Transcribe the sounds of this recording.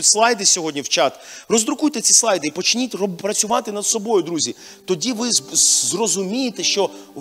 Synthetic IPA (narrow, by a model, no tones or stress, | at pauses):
ʊtʲslˠɑjd̪ɪsʲɔɦɔdʲnʲiwt͡ʃɑt̪rɔzd̪ɾʊkujt̪ɛt͡sʲislˠɑjd̪ɪipɔt͡ʃnʲit̪ʲɔpɾɐt͡sʲʊʋɑt̪ɪnɐd̪sɔbɔjʊd̪ɾuzʲi | t̪ɔdʲiʋɪzrɔzʊmʲijet̪ɛʃt͡ʃɔ